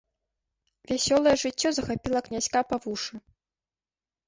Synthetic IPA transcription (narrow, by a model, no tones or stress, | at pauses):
vʲasʲɔlˠɐjɛʐɨt͡sʲːɔzɐxapʲilˠɐknʲasʲkapavuʂɨ